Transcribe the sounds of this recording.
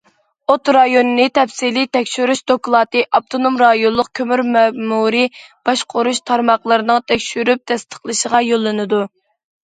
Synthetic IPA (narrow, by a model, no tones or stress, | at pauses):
ot̪ɾɑjonɨnɨt̪ʰɛpsilit̪ʰɛkʲʃyɾyʃd̪oklˠɑːt̪ɨʔɑp̚t̪ʰonomɾɑjonlˠʊq̚kʲʰømyɾmɛmuɾɨb̥ɑʃqʰoɾuʃt̪ʰɑɾmɑχlˠɨɾɨnɨŋt̪ʰɛkʲʃyɾyp̚t̪ʰɛst̪ʰə̥χlˠɨʃəʁɑjolˠːɨnɨd̪u